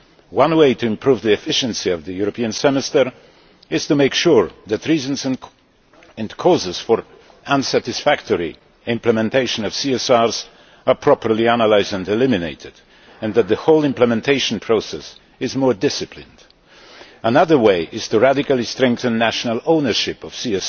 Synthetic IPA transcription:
wãnweɪtʰɨɪ̃mpʰɹuvðiɛfɪʃɨ̃nsiʌvðɨjuɹɔpʰiɨ̃nsɛmɛstəɹ | ɪz̥tumeɪkʃuɹðætɹizə̃nz̃ | ɛ̃nkʰɔzɨz̥fɔɹ | ʔãnsætɪsfæk̚tʰɔɹi | ɪ̃mpləmɛ̃ntʰeɪʃə̃nʌv̥siɛsɑɹz | əpʰɹ̥ɔpə˞liænəlaɪzdə̃ndɛlɪmɪnḛɪtɪd | ɨ̃nðæt̪̚ðəhoʊlˠɪ̃mpləmɛ̃ntʰeɪʃə̃npʰɹ̥oʊsɛs | ɪzmɔɹdɪsɨpʰlɪ̃nd | ənʌðə˞weɪʔɪz̥tuɹædɪkalˠistɹɛ̃ŋkθə̃nːæʃənəlˠõʊnə˞ʃɪpʌv̥siɛs

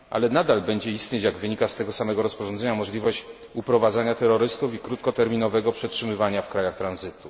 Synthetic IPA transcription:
ʔa̰lɛnad̪albɛɲd͡ʑɛist̪ʲɲet͡ɕjaɡvɘɲikast̪ɛɡɔsamɛɡɔɾɔspɔʐɔnd̪zɛɲamɔʐlʲivɔɕt͡ɕ | upɾɔvad̪zaɲat̪ɛɾːɔɾɘst̪ufikɾut̪̚kɔt̪ɛɾmʲinɔvɛɡɔpʂɛtʂɘmɘvaɲafkɾajaxt̪ɾanzɘt̪u

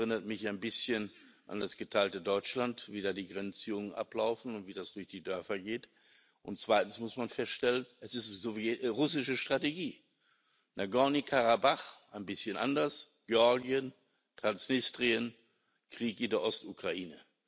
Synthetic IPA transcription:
ʁɪnɐtmɪçaɪnbɪsçənʔa̰ndasɡ̥ətʰaɪltədɔʏt͡ʃlantviːdaːdiːɡʁɛnt͡siʊŋənʔa̰plaʊfn̩ʊntv̥iːdasd̥ʊɐçd̥iːdœɐfɐɡeːt | ʔʊntt͡sv̥aɪtn̩smʊsmanfɛstʃtɛlənʔɛsɪstz̥oviʁʊsɪʃəʃtʁ̥ateɡiː | nʔaɡɔnikʰaʁabaχʔaɪnbɪsçənʔa̰ndɐs | ɡ̥eɔɐɡiən | tʁ̥ansnɪstʁiən | kʁ̥iːkɪndɛːɐʔɔstʔukʁ̥aiːnə

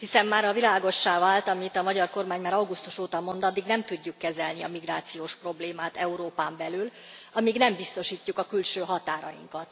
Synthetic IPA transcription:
hisɛmːaːɾɒvilaːɡo̞ʃːaːvaːlt̪ɒmit̪ɒmɒɟɒrko̞rmaːɲmaːɾɒwɡust̪uʃoːt̪ɒmo̞nd̪ɒd̪ːiɡnɛmt̪uɟːukːɛzɛlniɒ̰miɡraːt̪sijoːʃpro̞bleːmaːt̪ɛuɾoːpaːmbɛlyl | ɒmiɡnɛmbist̪o̞ʃiːcːukɒkylʃøːɦɒt̪aːɾɒ̰jḭŋkɒt̪

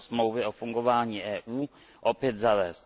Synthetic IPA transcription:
smowvɪɔfuŋɡɔvaːɲiʔɛːʔuː | ʔɔpjɛt̪zavɛs

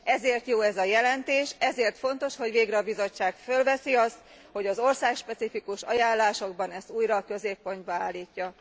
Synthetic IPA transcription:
ɛzeːrt̪joːɛzɒjɛlɛnt̪eːʃɛzeːrt̪fo̞nt̪o̞ʃho̞ɟveːɡɾɛɒbizo̞t͡ʃːaːkfølvɛsiɒst̪̚ | ho̞ɟɒzo̞rsaːkʃpɛt̪sifikuʃɒjaːlːaːʃo̞ɡ̚bɒnɛst̪uːjɾɒkøzeːpːo̞nd̪̚bɒaːlːiːcːɒ

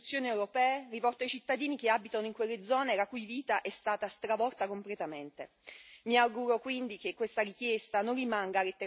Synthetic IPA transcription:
ut̪sːjoːniewɾopɛːeripɔrt̪oajt͡ʃit̪ːad̪iːnik̟eabit̪anoiŋkwelːed̪zɔːnelakujviːt̪aʔɛst̪aːt̪ast̪ɾavɔrt̪akomplet̪ament̪e | miaɡuɾokwind̪ikekːwest̪aɾikjest̪anonrimaŋɡalet̪ːe

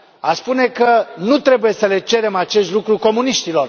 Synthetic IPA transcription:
aspune̞kənut̪ɾe̞buje̞səle̞t͡ʃe̞ɾe̞mat͡ʃe̞st̪ʲlukɾuko̞muniʃt̪ilo̞r

